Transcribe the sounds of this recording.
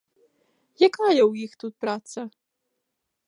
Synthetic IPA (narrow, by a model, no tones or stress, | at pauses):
jakajɐwjixt̪ut̪̚pɾat̪sɐ